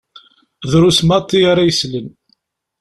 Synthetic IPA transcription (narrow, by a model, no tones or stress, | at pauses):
ðɾusmɑt̪ˤːiaɾajəslən